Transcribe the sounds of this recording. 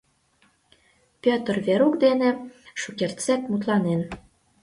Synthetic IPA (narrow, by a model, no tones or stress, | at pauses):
pʲøt̪ə̆rβeɾukd̪eneʃukert͡sæt̪mut̪lɑnen